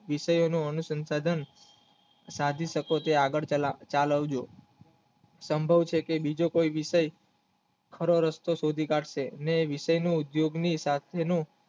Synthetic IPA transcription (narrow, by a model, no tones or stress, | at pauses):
ʋiʃəjonũənusənsad̪ʱən | sad̪ʱiʃəkot̪eaɡəɭt͡ʃaləʋd͡ʒo | səmbʱəʋt͡ʃʰekebid͡ʒokoiʋiʃəj | kʰəɾoɾəst̪osod̪ʱikaʈʰʃeneʋiʃəjnoud̪joɡnisat̪ʰenõ